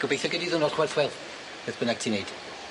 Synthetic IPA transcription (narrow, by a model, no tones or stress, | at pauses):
ɡ̥ɔbejθɔɡədiðʊnɔlχwɛlθwɛlˠθ | əðb̥ənaɡ̥̚tʰinejd̥